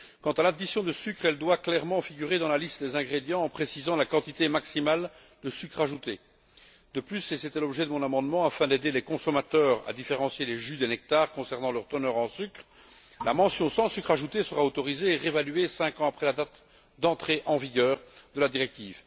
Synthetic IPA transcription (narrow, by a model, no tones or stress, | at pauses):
kɑ̃t̪alad̪isjɔ̃d̪əsykχɛld̪waklɛʁmɑ̃fiɡʲyʁed̪ɑ̃lalist̪d̪ezɛ̃ɡʁed̪jɑ̃ːpχesizɑ̃lakɑ̃t̪it̪emaksimal | d̪əsykχaʒut̪e | d̪əplyseset̪ɛlɔbʒɛd̪əmɔ̃namɑ̃d̪mɑ̃afɛ̃d̪ed̪elɛkɔ̃sɔmat̪œːʁa̰d̪ifeʁɑ̃sjeleʒyd̪ɛnɛk̚t̪aʁkɔ̃sɛʁnɑ̃lœʁt̪ənœːʁɑ̃sykχ | lamɑ̃sjɔ̃sɑ̃sykχaʒut̪esəʁaot̪ɔʁizeːʁevalyesɛ̃kɑ̃apχɛlad̪at̪ | d̪ɑ̃t̪χeʔɑ̃viɡœːʁd̪əlad̪iʁɛk̚t̪iːv